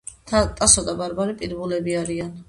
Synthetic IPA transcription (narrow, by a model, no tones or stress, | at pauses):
t̪ʼasɔd̪abaɾbaɾipʼid̪bulɛbiaɾian